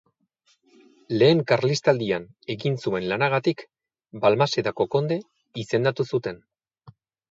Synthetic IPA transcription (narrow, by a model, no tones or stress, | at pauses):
le̞ːŋkaɾlist̪ald̪ian | e̞ɣinsue̞nlanaɣat̪ik | balmase̞t̪ako̞ko̞nd̪e̞ | ise̞nd̪at̪usut̪e̞n